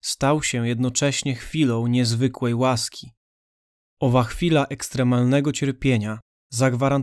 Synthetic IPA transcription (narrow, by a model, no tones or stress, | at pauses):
st̪awɕɛjɛd̪nɔt͡ʂɛɕɲɛxfʲilɔ̃w̃ɲɛzvɘkwɛjwaskʲi | ɔvaxfʲilaʔɛkst̪ɾɛmalnɛɡɔt͡ɕɛɾpʲjeɲa | zaɡvaɾan